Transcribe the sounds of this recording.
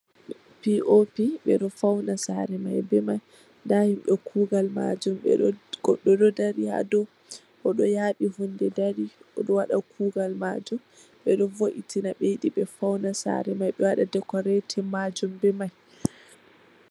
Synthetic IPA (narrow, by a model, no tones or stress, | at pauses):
piʔopiɓɛɗɔfawnasaɾɛmajbɛmaj | ndahimɓɛkʰuːɡalma̰d͡ʒumɛ̰ɡ̥ɔɗːɔdɔdaɾiha̰dɔ | ʔɔɗɔjaɗihundɛdaɾiʔɔɗɔwaɗakʰuːɡalmad͡ʒum | ɓɛɗɔvoʔitinaɓejiɗiɓɛfawnasa̰ɾɛmajɓɛwaɗadɛkɔɾɛtʰɛmad͡ʒumbɛmaj